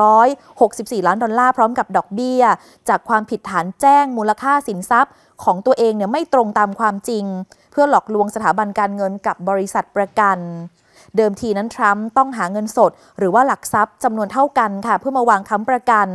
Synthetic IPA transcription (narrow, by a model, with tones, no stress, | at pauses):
ɾɔː˦˥j | ho˨˩k̚si˨˩p̚siː˨˩laː˦˥ndɔ˧nlaː˥˩pʰɾɔː˦˥mka˨˩p̚dɔː˨˩k̚bi˥˩ɐə | t͡ɕaː˨˩kʰwaː˧mpʰi˨˩t̪ʰːaː˩˦nt͡ɕɛː˥˩ŋmuː˧la˧kʰaː˥˩si˩˦nsa˦˥p̚ | kʰɔː˩˦ŋt̪u˧ɐʔeː˧ŋni˧˥˩ɐma˥˩jt̪ɾo˧ŋt̪aː˧mkʰwaː˧mt͡ɕi˧ŋ | pʰɯ˥˩ɐlɔː˨˩k̚lu˧əŋsa˧t̪ʰaː˩˦ba˧nkaː˧nŋɤ˧nka˨˩p̚bɔː˧ɾi˦˥sa˨˩t̪̚pɾa˧ka˧n | dɤː˧mt̪ʰiː˧na˦˥nt̪ʰɾa˦˥mt̪ɔ˥˩ŋɦaː˩˦ŋɤ˧nso˨˩t̪̚ | ɾɯː˩˦waː˥˩la˨˩k̚sa˦˥p̚t͡ɕa˧mnu˧ənt̪ʰa˥˩wka˧nkʰa˥˩pʰɯ˥˩ɐmaː˧waː˧ŋkʰa˦˥mpɾa˧ka˧n